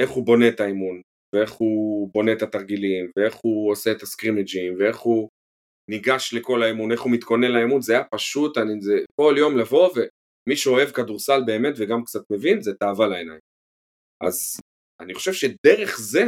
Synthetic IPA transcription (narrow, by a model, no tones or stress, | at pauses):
e̞χubo̞ne̞t̪aimun | vee̞χubo̞net̪at̪aʁɡilimvee̞χuose̞ːt̪askʁimid͡ʒimvee̞χu | niɡaʃle̞ko̞laimune̞χumit̪ko̞nelaemunzeajapaʃut̪anizeko̞ljo̞mlavo̞ve | miʃuo̞e̞vkaduʁsalbe̞ːme̞tveɡamkt͡sat̪me̞vinzetaːvalaenajm | ʔa̰z | aniχo̞ʃe̞vʃe̞de̞ʁeχze̞